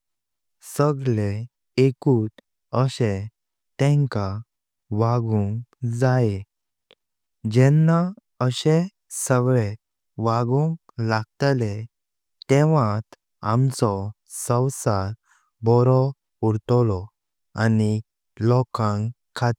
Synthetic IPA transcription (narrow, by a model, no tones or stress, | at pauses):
səɡɭe | ekut̪ | əɕẽ | t̪ɛ̃ŋka | ʋaɡuŋd͡zae | d͡ʑɛnːa | əɕe | səɡɭe | ʋaɡũŋ | laɡ̚t̪le | t̪ɛʋãt̪ | amt͡sɔ | sə̃wsaɾ | bɔɾɔ | uɾt̪lɔ | ani | lɔkãŋ | kʰːat̪